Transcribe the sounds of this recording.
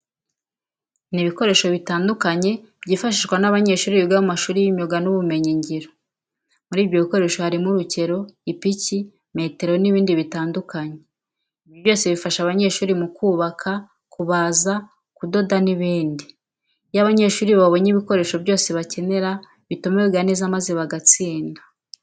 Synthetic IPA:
niβiko̞ɾe̞ːʃo̞βitaːndukaɲe̞ | b̥ɟiːfaʃiʃɡwanaβaɲe̞ʃuːɾiiɡaβomaʃuːɾijiɲoɡanuβume̞ɲiɲɟiɾo | muɾiːvjo̞βiko̞ɾeʃo̞haɾimuɾuce̞ɾo̞ipici | me̞te̞ɾo̞niβiːndiβitaːndukaɲe | iβjoβjo̞ːse̞βifaʃaβaɲe̞ʃuːɾimukuːβakʰa | kuβaːza | kudo̞daniβiːndi | jaβaɲe̞ːʃuːɾiβaβo̞ɲiβiko̞ɾe̞ːʃo̞bjo̞ːse̞βace̞ne̞ɾa | βitumeweβɡanezamazeβaɡat͡siːndḁ

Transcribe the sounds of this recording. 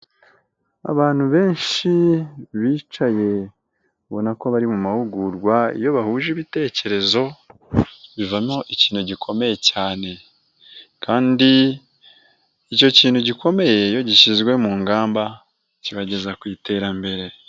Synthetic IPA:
a̰βaːn̥huβe̞ːnʃiβiːt͡ʃaje̞ | βo̞nako̞βaɾimumahuɡuɾɡwaḭjo̞βahuːʒiβite̞ce̞ɾe̞zo̞ | βivamo̞ʔiciːnhuɟikʰo̞me̞je̞caːne̞ | kʰaːndi | ico̞ciːnhuɟikʰo̞me̞je̞jo̞ɟiʃizɡwe̞muːŋɡaːmba | ciβaɟe̞zakwiːte̞ɾambe̞ɾe̞

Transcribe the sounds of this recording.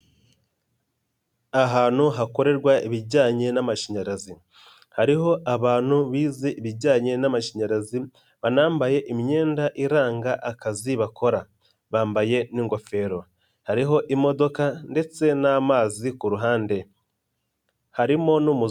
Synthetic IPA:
aɦaːn̥huɦako̞ɾe̞ɾɡwaiβiɟaːɲe̞namaʃiɲaɾazi | haɾiɦo̞ʔaβaːn̥huβiːzeʔiβiɟaːɲe̞namaʃiɲaɾazi | βanaːmbaje̞ʔimiɲe̞ːndaʔiɾaːŋɡaʔakaziβakʰo̞ɾa | βaːmbaje̞niŋɡo̞fe̞ɾo̞ | haɾiɦo̞ʔimo̞do̞kande̞t͡se̞namaːzikuɾuɦaːnde̞ | haɾimo̞numu

